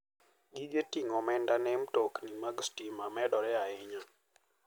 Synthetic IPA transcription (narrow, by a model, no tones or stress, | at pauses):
ɡid͡ʒetiŋɔmɛndanemtoknimaɡstimamɛdɔɾɛaɪɲa